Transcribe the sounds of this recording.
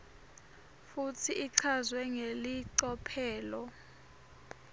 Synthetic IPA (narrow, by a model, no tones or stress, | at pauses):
futʰiiǀʰazwɛŋeliǀɔpʰɛːlɔ